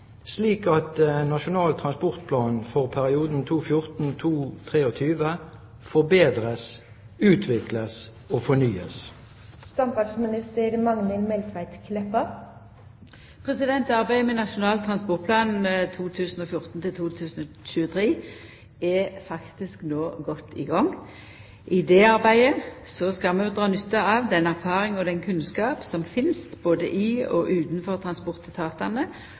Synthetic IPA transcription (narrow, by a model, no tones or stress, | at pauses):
sliːkɑt̪nɑʃʊnɑːlt̪ʰʁɑnspɔʁt̪̚pʰlɑːnfɔʁpʰæʁɪuːd̪n̩t̪ʰuːfjʊʁt̪n̩t̪ʰuːt̪ʰʁeːɔt̪ʰyːʋə | fɔʁbeːd̪ʁəs | ʉːt̪ʰʋɪkləs | oːfɔnyːə̰s | sɑmpɑsmɪnɪst̪əɾmɑŋnəlmɛlk̪ʰʋæɪt̪kʰlɛpːɑ | pʰʁɛsɪd̪ɛnt̪ɑʁbæɪmɛnɑʃʊnɑːlt̪ʰʁɑnspɔʁt̪pʰlɑːnt̪ʰuːt̪ʰʉːsn̩ɔfjʊʁt̪n̩t̪ʰɪlt̪ʰuːt̪ʰʉːsn̩ɔ | ɕʉːət̪ʰɾeː | ɛfɑkt̪ɪsknoːɡɔt̪ʰːɪ̰ɡɑŋː | ʔɪd̪ɛɑʁbæɪəsɔskɑmɛd̪ʁɑːnʉt̪ːɑɑʋd̪ɛnæʁfɑːɾɪŋɔd̪ɛnkʰʉnskɑːpsɔmfɪnst̪boːd̪əʔɪɔ̰ʔʉːt̪nfɔʁt̪ʰʁɑnspɔʁt̪t̪ʰɑːt̪ɑnə